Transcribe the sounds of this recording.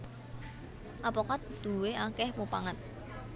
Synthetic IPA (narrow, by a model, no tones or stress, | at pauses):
ʔapɔkat̪d̪̥ṳweakɛhmopaŋət̪̚